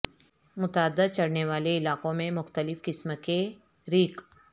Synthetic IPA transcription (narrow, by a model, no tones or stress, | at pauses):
mʊt̪aəd̪ːət͡ʃɐɽneʋaːleɪlaːqõmẽmʊxt̪əlɪfkɪsmke | ɾiːk